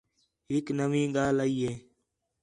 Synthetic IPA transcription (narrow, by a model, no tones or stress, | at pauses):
ɦɪknəʋĩːɠaːlaiːɦeː